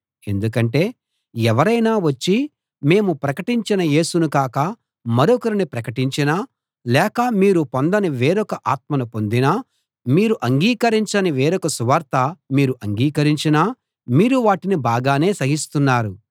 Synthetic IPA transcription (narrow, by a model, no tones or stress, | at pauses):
e̞nd̪uk̬ɐɳʈe̞ː | ɛʋɐɾɐjnaːʋɐt͡ʃːi | me̞ːmupɾɐkɐʈiɲt͡ʃinɐje̞ːsunukaːkɐ | mɐɾɔkɐɾinipɾɐkɐʈiɲt͡ʃinaː | lɛːkɐmiːɾupond̪ɐniʋeːɾɔkɐʔaːt̪̚mɐnupo̞nd̪inaː | miːɾuʔɐŋɡiːkɐɾiɲt͡ʃɐniʋeːɾɔkɐsuʋɐɾt̪ɐmiːɾuʔɐŋɡiːkɐɾiɲt͡ʃinaː | miːɾuʋaːʈinibaːɡaːne̞ːsɐɦist̪unːaːɾu